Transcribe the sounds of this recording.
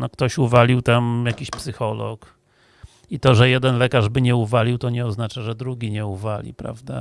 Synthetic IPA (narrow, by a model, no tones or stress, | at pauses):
nɔkt̪ɔɕuvalʲiwt̪amjakʲiɕpsɘxɔlɔ̰k | it̪ɔʐɛjɛd̪ɛnlɛkaʐbɘɲɛuvalʲiwt̪ɔɲɛɔznat͡ʂaʐɛd̪ɾuɡʲiɲɛuvalʲḭpɾa̰vd̪a̰